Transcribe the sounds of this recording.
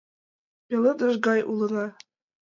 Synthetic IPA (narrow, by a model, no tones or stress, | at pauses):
jɤ̆lˠɤd̪ɤ̆ʒɡɑjʔulˠɤ̆nɑ